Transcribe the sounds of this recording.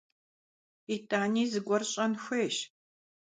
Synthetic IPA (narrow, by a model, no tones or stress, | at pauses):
itʰʼaːniːzɨɡʷɔrɕʼɐnxʷeːʃ